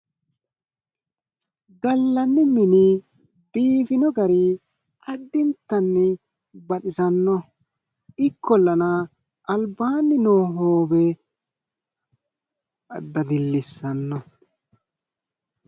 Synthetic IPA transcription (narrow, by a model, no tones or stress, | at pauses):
ɡɐlːɐnːɪmɪnɪ | b̥iːfɪnɔɡɐɾɪ | ʔɐdːɪnt̪ːɐnːɪ | bɐt̪ɪsɐnːɔ | ɪkʰːɔlːɐnɐ | ʔːlbaːnːɪnoːɦoːbɛ | ɐd̪ːɐd̪ɪlːɪsːɐnːɔ